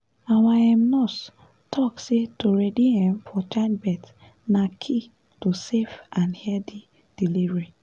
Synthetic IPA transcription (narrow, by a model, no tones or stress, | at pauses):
awaɛ̃mnɔs | tʰɔksetoɹɛdihɛ̃mfɔt͡ʃanbɛt | nakʰi | tosefãnhɛdi | d̥ilivɹe